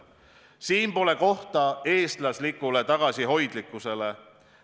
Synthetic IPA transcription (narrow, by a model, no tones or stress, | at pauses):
siːnpo̞le̞ko̞ht̪ɑe̞ːst̪lɑslikːˑulet̪ɑɡ̥ɑsiɦo̞jd̪likːˑuse̞le̞